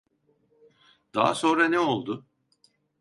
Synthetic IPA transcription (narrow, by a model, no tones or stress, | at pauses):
d̪̥a̰ɦa̰so̞nɾanɛo̞lˠd̪ʊ